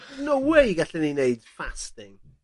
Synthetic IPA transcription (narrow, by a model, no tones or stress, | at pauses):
nowejɡaɬɛnineɨd̥fastɪŋ